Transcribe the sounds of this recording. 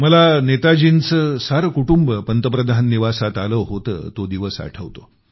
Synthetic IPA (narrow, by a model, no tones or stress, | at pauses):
məlanet̪ad͡ʑiːnt͡səsaɾəkuʈumbəpənt̪əpɾəd̪ʱanːiʋasat̪aləʋɦot̪ə̰ːt̪od̪iʋəsa̰ʈʰəʋt̪o̰